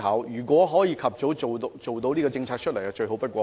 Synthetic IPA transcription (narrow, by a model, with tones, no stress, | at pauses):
ɐː˨˥wjyː˨˩k̬ʷɔː˨˥ɦɔː˨˥jiː˧kʰɐ˨p̚t͡so˨˥wo˨wt͡ʃo˨wt̪o˨˥wliː˥ɡɔː˧t͡sɪ˧ŋt͡sʰaː˧t͡ʃʰɵ˥t̚le˨˩ja˧t͡ʃɵ˧ɦo˨˥wpɐ˥t̚kʷɔː˧